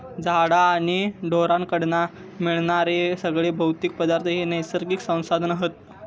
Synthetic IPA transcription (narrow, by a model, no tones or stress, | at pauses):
d͡zʱaɽaːɽ̃iɖʱoɾãnkəɽɳa | miɭɳaɾesəɡɭebʱəwt̪ik̚pəd̪aɾt̪ʰəɦenəjsəɾɡiksə̃w̃sad̪ʱənaɦət̪̚